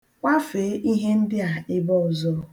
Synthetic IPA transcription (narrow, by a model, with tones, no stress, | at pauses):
kʷa˦fe˨˦ʔi˦ɦe˦n̩˦dɪ˦a˨ɪ˦bɔ˦ɔ˨zɔ˦